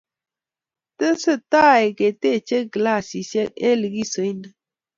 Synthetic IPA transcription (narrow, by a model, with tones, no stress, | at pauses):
t̪ə˦sə˦˨t̪a˦˨e˨ke˨t̪e˦˨t͡ʃe˦ɡla˦˨si˨sje˦ʔe˦li˨ɡi˦so˨˦jnə˨